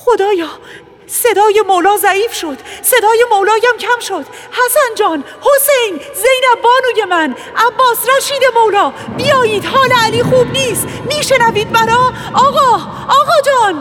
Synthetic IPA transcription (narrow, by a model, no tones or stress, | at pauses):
xo̞d̪ɒːjɒː | se̞d̪ɒːje̞molɒːzæiːfʃo̞d̪̥se̞d̪ɒːjemolɒːjæmcʰæmʃod̪̥ | hæsænd͡ʒɒːn | ho̞sejn | zejnæbːɒːnuːje̞mæn | ʔæbːɒːsɾæʃiːd̪e̞molɒːbijɒːjiːd̪hɒːleæliːxuːbniːst̪miːʃe̞næviːd̪̚bæɾɒːɒːɣɒː | ɒːɣɒːd͡ʒɒːn